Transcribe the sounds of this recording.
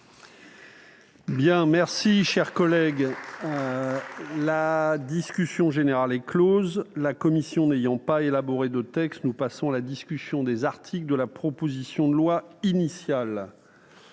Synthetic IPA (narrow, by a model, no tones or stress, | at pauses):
bjɛ̃mɛʁsiʃɛʁkɔlɛɡ | lad̪iskʲysjɔ̃ʒeneʁalɛklozlakɔmisjɔ̃nejɑ̃paelabɔʁed̪ət̪ɛkst̪nupasɔ̃alad̪iskʲysjɔ̃d̪ezaʁt̪ʰikld̪əlapχɔpozisjɔ̃d̪əlwainisjal